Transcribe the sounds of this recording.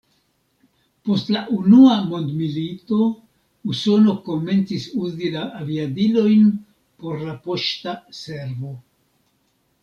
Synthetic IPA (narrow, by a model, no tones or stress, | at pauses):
po̞stlaʔunuamo̞nd̪milito̞ | uso̞no̞ko̞me̞nt͡sisuzilaːviadilo̞jn | po̞ɾlapo̞ʃtase̞ɾvo̞